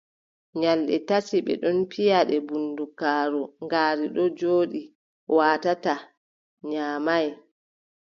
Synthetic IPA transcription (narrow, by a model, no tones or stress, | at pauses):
ɲalɗɛ̰tasiɓɛ̰ɗɔnpijaɗɛbundukaːɾɔŋɡaːɾiɗɔd͡ʒoːɗi | waːtata | ɲaːmaj